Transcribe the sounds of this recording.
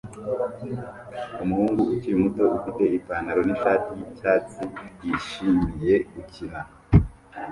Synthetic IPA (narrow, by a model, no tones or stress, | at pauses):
umuhuːŋɡuuciɾimuto̞ʔufite̞ipaːnaɾo̞niʃaːtijicaːtijiʃimije̞ɡukʰiɾa